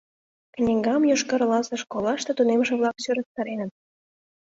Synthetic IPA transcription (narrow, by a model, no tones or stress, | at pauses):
kə̆nʲeŋɡɑmjoʃkəɾəlɑsə̆ʃkolɑʃt̪et̪unemʒeβlɑksøɾək̚t̪ɑɾenə̆t̪̚